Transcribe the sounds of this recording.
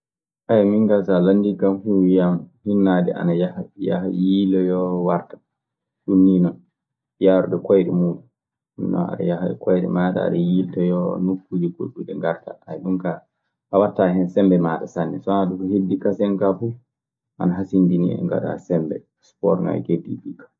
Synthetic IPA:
ʔajmiŋɡasalandikamfuwijamhinːadɛ̰ʔa̰najahaja̰hajilɛjɔwaɾtḁ | sunːinɔn | jaɾuɗɛkɔjɗɛmuɗu | unnɔ̰na̰ɗa̰jahaɛkɔjɗɛ̰maːɗa̰a̰ɗajiltɔjɔnukːud͡ʒikoɗuɗɛŋɡaɾta̰ajɗumka | awatːahɛnsɛmbɛmaɗasanːɛsɔanaɗukɔhedːikasɛnkafu | ʔa̰naɦasindinḭɛ̰ŋɡa̰ɗa̰sɛmbɛ̰ | spɔ̰ɾŋa̰jɡedḭbikḁ

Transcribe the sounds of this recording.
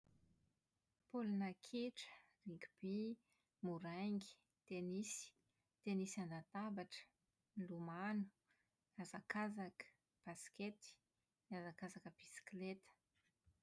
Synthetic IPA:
polunakʰiʈ͡ʂə̥ | riŋɡʲub̥i | muɾaŋɡi̥ | t̪enisi̥ | t̪enisiand̪at̪abaʈ͡ʂə̥ | nlumanu̥ | azakazakə̥ | b̥asket̪i̥ | niazakazakəb̥isi̥klet̪ə̥

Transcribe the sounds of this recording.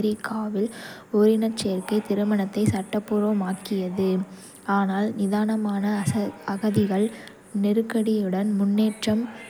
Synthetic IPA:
ɾɪkʰːaːʋɪl | ɔɾɪnɐt͡ʃeːɾkɐɪt̪ɪɾɯmɐɳɐt̪ːɐɪsɐʈːɐpːʊɾoːmaːkɪjɐðɯ | aːnaːlnɪðaːnɐmaːnɐɐɣɐðɪɣɐɭ | nɪɾɯkːɐɽɪjɯɽɐnmʊnːeːʈrɐm

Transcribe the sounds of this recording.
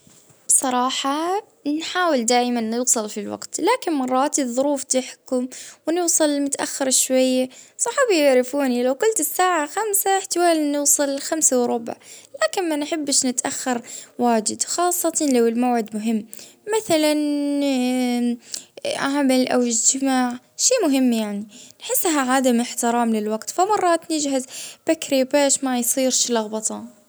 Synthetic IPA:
b̥sˤɑɾˤɑːħɑ | nħaːwɪld̪aːʔmanːɪːsˤɨlfilwa̰qt̪laːkɪnmɑrˤːɑːt̪ðˤʊɾuːft̪ɪħkʊmwnɪːsˤɨlmʊt̪ʔa̰xːɪɾʃwajːasˤɑħɑːbijɪʕɾɪfuːnilawkʊlt̪ɪsːaːʕaxamsaħt̪ɪwaːlinɪːsˤɨlxamsawɾˤʊba̰ʕlaːkɪnmanħɪbːɪʃnɪt̪ʔaxːɑɾˤwaːd͡ʒɪd̪xɑːsˤːɑt̪ɑlawɪlmawʕɪd̪mʊɦɪmːaθalan | ʔaʕmalʔa̰wɪd͡ʒt̪ɪmaːʕ | ʃiːmʊɦɪmːjaʕninħɪsːaɦaʕaːd̪amɪħt̪ɪɾɑːmlɪlwaɡt̪famɑrˤːɑːt̪nɪd͡ʒɦazbakɾipaːʃmajsˤiːɾʃlɑɣbɑt̪ˤɑ

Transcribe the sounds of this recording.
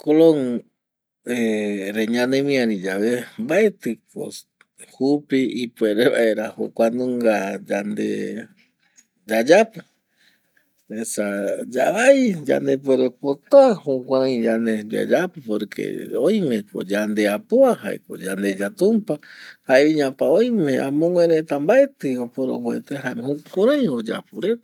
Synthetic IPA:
koloŋ | eɾeɲãnẽmĩãɾid͡ʒaβembae̞t̪ɨko̰ | hupiipueɾeβa̰eɾaho̰kʷanũŋɡad͡ʒand̪ḛ | d͡ʒad͡ʒapɨ | esad͡ʒaβajd͡ʒa̰nd̪epweɾepot̪aahũkʷãɾãj̃d͡ʒaneba̰d͡ʒapɨpoɾkʰḛojmẽ̞ko̰d͡ʒand̪eapoaha̰ḛko̰d͡ʒand̪e̞d͡ʒat̪ũmpahaeiɲãpaojmẽ̞ã̰mõŋwẽɾet̪ambaet̪ɨopoɾo̰βwḛt̪ehaehukʷaɾãj̃od͡ʒa̰puɾet̪a

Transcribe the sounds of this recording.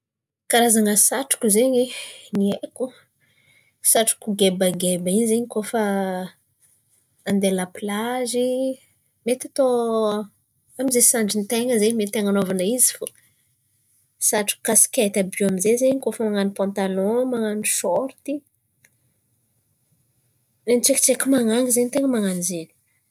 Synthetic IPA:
kaɾazaŋəsaʈ͡ʂu̥kuzeɲinieku | saʈ͡ʂu̥kuɡebaɡebaizeɲikofə | and̪elaplazi | met̪at̪o | amizesaɳɖ͡ʐint̪eŋəzeɲmet̪eŋanovanaizifo | saʈ͡ʂi̥kasi̥kʲat̪abuamizezeɲikofəmaŋanipɔ̃nt̪anɔ̃maŋaniʃɔɾt̪i | lenʈ͡ʂeki̥ʈ͡ʂekʲimaŋaŋizenit̪eŋəmaŋanizeni̥

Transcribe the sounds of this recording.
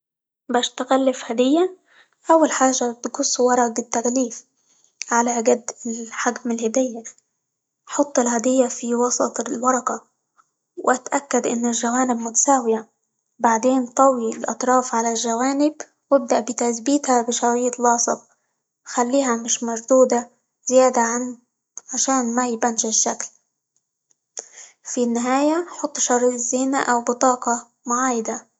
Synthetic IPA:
baʃt̪aɣalːɪfhad̪ɪjːa | ʔawːalħaːʒat̪ɡʊsˤːwɑɾˤɑɡɪt̪ːaɡliːf | ʕalaɡad̪ːɪlħaɡmɪlhɪd̪ɪjːa | ħɑt̪ˤːɪlhad̪ɪjːafiwɑsˤɑt̪ˤlwɑɾˤɑkɑ | wɪʔat̪ʔakːad̪ʔɪnːɪlʒawaːnɪbmʊt̪ḁsaːwɪja | baʕd̪eːnt̪ˤɑwilʔɑ̰t̪ˤɾˤɑːfʕalalʒawaːnɪb | wɪb̚d̪aʔbɪt̪aθbiːt̪habɪʃɑɾˤiːt̪lɑːsˤɨb̪̚ | xalːiːɦamɪʃmaʒd̪uːd̪a | zɪjaːd̪aʕan | ʕaʃaːnmajɪbanʒɪʃːakl | finːɪɦaːjaħʊt̪ˤːʃɑɾˤiʔzːɪːnaʔawbɪt̪ˤɑːqɑ | mʊʕaːjɪd̪a

